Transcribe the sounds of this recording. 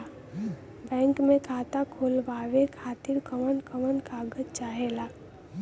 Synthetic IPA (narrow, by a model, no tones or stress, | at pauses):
bɛ̃ːŋkmẽkʰaːt̪akʰoːlʋaːʋekʰaːt̪iɾkəmənkəmənkaːɡəd͡ʒt͡ʃaːɦeːlaː